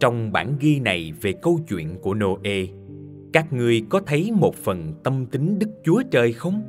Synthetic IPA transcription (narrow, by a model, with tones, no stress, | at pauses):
t͡ɕɔ˧wŋ͡mɓa̰ː˧˩nɣi˧na˨˩jve˨˩kə˧wt͡ɕwḭ˧˨ənku˧˩əno˧ʔe˧ | kaː˦˥k̚ŋɨ˨˩əjkɔ˨˦t̪ʰə˨˦jmo˨˩t̚fə˨˩nt̪ə˧mt̪ï˨˦ŋɗɨ˦˥k̚t͡ɕu˨˦ət͡ɕəː˧jxə˧wŋ͡m